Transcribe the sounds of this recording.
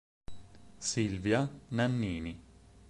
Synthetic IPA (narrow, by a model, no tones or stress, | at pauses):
silvjananːiːni